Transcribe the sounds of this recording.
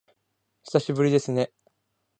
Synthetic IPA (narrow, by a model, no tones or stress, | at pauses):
çi̥saɕibɯ̟ɾʲid̪e̞sɨne̞